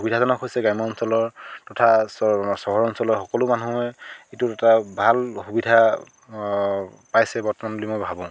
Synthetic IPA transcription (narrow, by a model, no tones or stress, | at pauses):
ubidʱazɔnɔkʰɦojsɛɡajmɔɔnsɔlɔɹtɔtʰassɔɦɔɹɔnsɔlɔxɔkɔlʊmanuɛitʊtɛtabʱalxubidʱa | pajsɛbɔɹtɔmanbulimojbʱabɔ̃